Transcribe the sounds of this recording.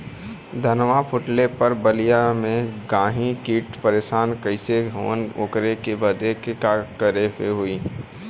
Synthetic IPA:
d̪ʱənʋapʰʊʈlepɐɾbəlijamẽɡãːɦĩkiːʈpəɾeːʃaːnkɐɪseɦo̰ːno̰kɾekebɐd̪ekekaːkəɾekeɦʊiː

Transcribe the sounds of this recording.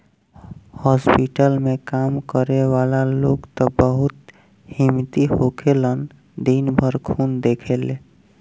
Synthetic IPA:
hɔspiʈəlmẽkamkəɾeʋalaloɡt̪əbəɦut̪ | himt̪ihokʰelən | d̪inbʱəɾkʰund̪ekʰele

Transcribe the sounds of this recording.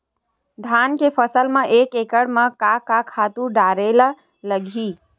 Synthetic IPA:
d̪ʱankepʰəsəlmeʔekekəɽmekakakʰat̪uɖaɾel | ləɡʱi

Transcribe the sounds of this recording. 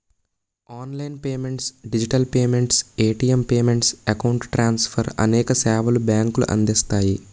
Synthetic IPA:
aːnlɐjnpeːmeɳʈsɖid͡ʒiʈɐlpeːmeɳʈseːʈiempeːmeɳʈsɐkɐwuɳʈʈɾaːnsfʰɐɾɐ̰nɛːkɐsaːʋɐlubaːŋklṵʔɐ̰nd̪ist̪aːji

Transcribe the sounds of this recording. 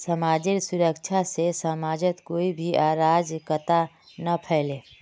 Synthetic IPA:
sɐmaːd͡ʒiɾsʊɾəkʃʰasesəmaːd͡ʒət̪koːibʱiʔaːɾaːd͡ʒkət̪a | napʰɛːleː

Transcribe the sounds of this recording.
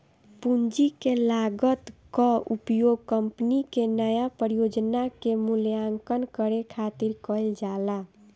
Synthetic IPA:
pund͡ʒikelaɡət̪kɔupjoɡ̚kəmpnikenəjapəɾijod͡ʒnakemuljaŋkənkəɾekʰat̪iɾkəɪld͡ʒala

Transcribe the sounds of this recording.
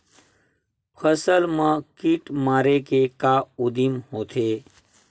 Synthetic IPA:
pʰəsəlmãkiʈmaːɾekekaud̪imhoːt̪ʰeː

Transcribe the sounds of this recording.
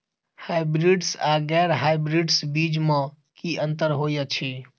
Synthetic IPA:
haɪbɾiɖsaɡɛɾɦajbɾiɖsbid͡ʒme | kiənt̪əɾɦojət͡ʃʰi

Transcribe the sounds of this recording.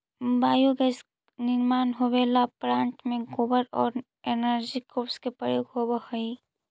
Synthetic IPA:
baːjoɡɛs | nɪɾmaːnɦobeːlapɾãːɳʈmẽɡoːbəɾɔːɾ | enəɾd͡ʒikoːpskepəɾjoːɡɦobəhəi

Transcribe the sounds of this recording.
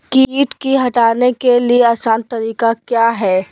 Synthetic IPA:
kiiːʈkiɦɐʈaːnekelieaːsãːnt̪ɐɾiːkakjaːɦɛː

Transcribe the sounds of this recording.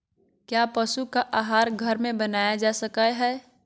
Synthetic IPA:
kjapəʃukaʔaɦaːɾɡʱəɾmẽbənajad͡ʒasəkəjɦɛ

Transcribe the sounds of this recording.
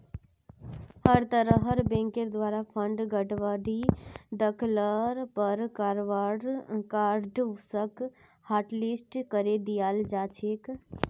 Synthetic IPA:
həɾt̪əɾəɦəɾbẽŋkeɾd̪ʋaːɾapʰəɳɖɡəʈʋaɾid̪əkʰləɾpəɾkaɾʋaɾkaɾɖsək | haːʈlisʈkəɾed̪ijald͡ʒat͡ʃʰek

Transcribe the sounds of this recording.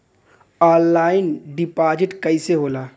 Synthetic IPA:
ɔːlːaːɪnɖɪpaːd͡ʒɪʈkəɪseɦoːlaː

